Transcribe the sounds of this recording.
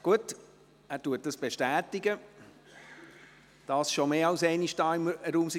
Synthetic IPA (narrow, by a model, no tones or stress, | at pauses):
ɡ̥uət | æːɾtuət̚d̥əsb̥eʃtæːtɪɡə | d̥ɑsʃomeːɑlsɛɪniʃdɑːɪmɾuːmsi